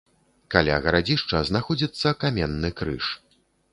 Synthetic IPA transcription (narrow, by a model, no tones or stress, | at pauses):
kalʲa̰ɣɐɾad͡zʲiʂt͡ʂɐznaxɔd͡zʲit̪sːɐkamʲɛnːɨkɾɨ̰ʂ